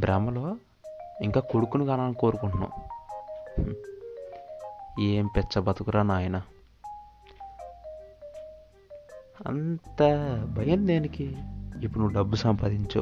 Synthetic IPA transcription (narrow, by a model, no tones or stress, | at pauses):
bɾamɐloː | iŋkaːkoɽukunuɡaːnaːniko̞ːɾukuɳʈunɐ̰ | eːmpɛt͡ʃːɐbɐt̪ukuɾaːnaːjɐnɐ | ɐ̰nt̪ɐbʱɐjɐnd̪eːnikiipːuɽnuʋːuɖɐbːusɐmpaːd̪iɲt͡ʃa̰